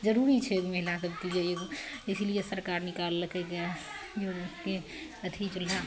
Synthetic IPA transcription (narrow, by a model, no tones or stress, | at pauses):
d͡ʒəɾuɾit͡ʃʰeɡmeɦɪlasɐb̚t̪id͡ʒejeɡoɪslijesəɾkaːɾnɪkaːlːəkʰeke | joke | ɐt̪ʰit͡ʃʊla